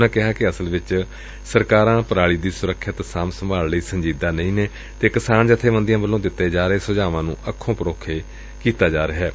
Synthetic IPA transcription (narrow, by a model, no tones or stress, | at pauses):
nãːkɪɦaːkɪəsəlʋɪt͡ʃ | səɾkaːɾãːpəɾaːɽiːd̪iːsʊɾəkʰːət̪saːmsəmʱaːlliːsəɲd͡ʒiːd̪aːnəĩːneː | t̪eːkɪsaːnd͡ʒət̪ʰeːʋə̃nd̪ɪjãːbəlːõːd̪ɪt̪ːeːd͡ʒaːɾeːsʊd͡ʒaːʋãːnũːʔəkʰːõːpəɾoːkʰeː | kiːt̪aːd͡ʒaːɾəɦɛː